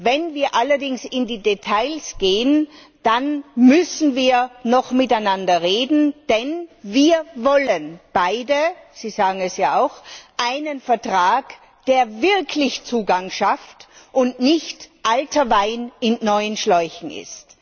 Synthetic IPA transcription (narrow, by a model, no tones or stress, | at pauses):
vɛnviːɐʔalɐdɪŋsɪndiːdetʰaɪlsɡ̥eːən | d̥anmʏsn̩viːɐnɔχmɪtaɪnandɐʁeːdn̩d̥ɛnviːɐvɔlənb̥aɪdəz̥iːzaːɡŋ̩ɛsjaːaʊxʔaɪnənfɛɐtʁ̥aːk | d̥eːɐvɪɐkʰlɪçt͡suːɡaŋʃaftʔʊntnɪçtʔaltʰɐvaɪnɪnnɔʏənʃlɔʏçn̩ɪ̰st